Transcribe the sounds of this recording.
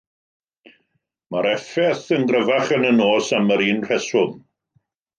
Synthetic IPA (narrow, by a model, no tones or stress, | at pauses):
maɾɛfɛθənɡrəvaχənənoːsaməɾiːnr̥ɛsʊm